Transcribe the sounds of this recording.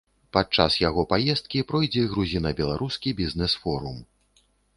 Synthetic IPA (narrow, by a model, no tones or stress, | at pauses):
pat̪̚t͡ʂasjaɣɔpajɛst̪̚kʲipɾɔjd͡zʲɛɣɾuzʲinɐbʲɛlˠaɾʔuskʲibʲiznɛsfɔɾum